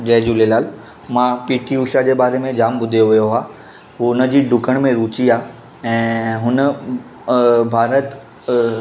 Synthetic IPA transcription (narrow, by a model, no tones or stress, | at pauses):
d͡ʑɛːd͡ʑuːlelaːl | mãpiːʈʰiuːʃad͡ʑeːbaːɾemẽd͡ʑaːmbʊd̪ʱijoʋijoɦaː | ɦuːʊnəd͡ʑiːɖʊkəɽ̃mẽɾuːt͡ɕiaː | ɛ̃ːɦʊnə | bʱaːɾət̪